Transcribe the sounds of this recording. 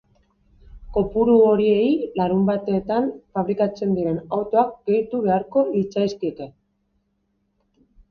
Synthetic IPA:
ko̞puɾuo̞ɾie̞jlaɾumbat̪eːt̪anfaβ̞ɾikat͡se̞nd̪iɾe̞nawt̪o̞ak̚ɡ̥e̞jt̪uβe̞aɾko̞lit͡sajskie̞k̪e̞

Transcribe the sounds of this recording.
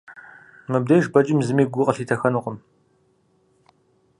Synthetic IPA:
mɨb̚dɐjʒbɐd͡ʒʼɪmzɨmiːɡʷʊqʼəɬiːtʰɐxɐnuqʼəm

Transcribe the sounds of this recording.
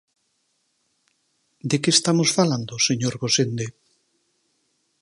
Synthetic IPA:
d̪ekeːst̪amosfaland̪oseɲoɾɣosend̪e

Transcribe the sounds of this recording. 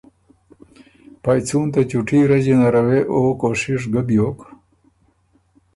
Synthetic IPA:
pajt͡sʰunt̪at͡ɕuʈʰiɾɐd͡ʑenaɾɐweʔoːkoːʂiʂ̬ɡəbjoːk

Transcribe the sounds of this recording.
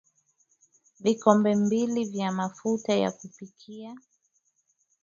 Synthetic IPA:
vikɔmbɛmbilivjamafutaja̰kupikʰia

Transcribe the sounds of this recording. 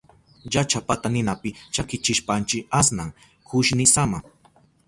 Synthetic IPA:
jat͡ʃapat̪anɪnapɪt͡ʃakɪt͡ʃɪʃpant͡ʃɪasnaŋ | kʊʃnɪsama

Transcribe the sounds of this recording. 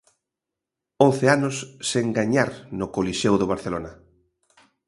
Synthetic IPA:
õnθeanʊsːeŋɡaɲaɾnʊkoliʃewðoβ̞aɾθelonɐ

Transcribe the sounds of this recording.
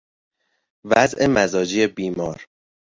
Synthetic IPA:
væzʔemæzɒːd͡ʒiebiːmɒːɾ

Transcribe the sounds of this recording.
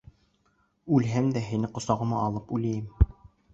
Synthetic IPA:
ʉlɦæmd̪æɦinɘqŏsɑʁɤ̆mɑːlˠɤpulæjɘm

